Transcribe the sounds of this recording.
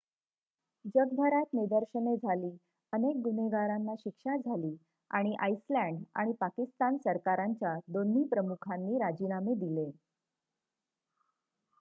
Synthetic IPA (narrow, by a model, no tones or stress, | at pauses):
d͡ʑəɡ̚d̪ʱəɾat̪nid̪əɾɕəned͡zʱaliː | ənek̚ɡuneɡaɾanːaɕikʂad͡zʱaliː | aɽ̃iʔajslæ̃ɳɖa̰ɽ̃ipakist̪ansəɾkaɾaɲt͡ɕjad̪onːiːpɾəmukʰanːiːɾad͡ʑinamed̪ile